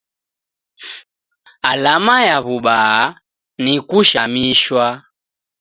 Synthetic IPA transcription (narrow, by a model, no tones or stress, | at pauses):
alamajaβuɓaa | nikuʃamiʃwa